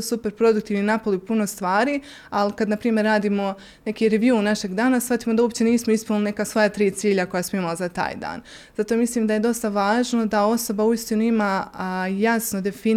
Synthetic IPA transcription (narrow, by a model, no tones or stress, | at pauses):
supe̞ɾpɾo̞d̪ukt̪iːʋninapoliupuno̞st̪ʋaːɾiː | alikad̪napɾiːmje̞ɾːaːd̪iːmo̞ | ne̞kiːɾeʋjuːnaʃe̞ɡd̪aːnasfat̪iːmo̞d̪aupt͡ɕe̞niːsmo̞ispunline̞kasʋojat̪ɾiːt̪siːʎako̞jasmoimalzat̪a̰ːjd̪a̰ːn | z̥at̪omislˠiːmd̪aje̞d̪o̞st̪aʋaːʒno̞d̪ao̞so̞bauist̪inuimaːjasno̞d̪e̞fi